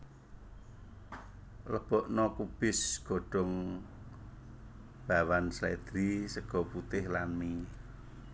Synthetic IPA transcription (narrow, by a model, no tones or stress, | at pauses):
ləb̥ɔʔnɔkub̥ɪsɡ̥o̤ɖ̥ɔŋ | b̥a̤wanslɛd̪̥ɾisəɡ̥ɔ̤put̪ɪhlanmi